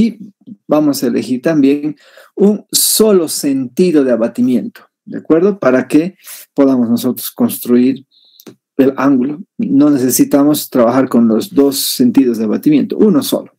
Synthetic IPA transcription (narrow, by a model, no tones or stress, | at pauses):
ibamosaelexiɾt̪ambjeŋ | unso̞lo̞se̞nt̪iðo̞ðeaβat̪imjẽnt̪o̥ | d̪eakwe̞ɾðopaɾakepo̞ðamoznoso̞t̪ɾosko̞nst̪ɾuiɾ | elaŋɡulono̞ne̞sesit̪amo̞st̪ɾaβaxaɾko̞nlozd̪o̞sːe̞nt̪iðozðeaβat̪imjẽ̞̰nt̪o̰ʔunoso̰lo